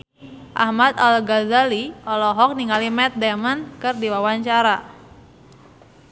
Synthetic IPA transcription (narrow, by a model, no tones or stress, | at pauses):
ʔa̰hmat̪alɡazaliɔlɔɦɔk̚niŋalimɛt̪̚dɛmənkɨrdiwawaɲt͡ʃaɾa